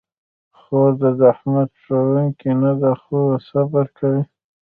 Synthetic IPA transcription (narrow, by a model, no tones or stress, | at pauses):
xoɾd̪ad̪ahmad̪ʂawuŋkinad̪axosabaɾkʰawi